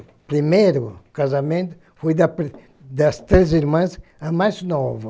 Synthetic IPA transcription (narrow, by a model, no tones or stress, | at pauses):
pɾimejɾʊkazamẽnt̪ʊ̥ | fojd̪ɐpɾ | d̪ɐst̪ɾeziɾmɐ̃sɐmajznɔvɐ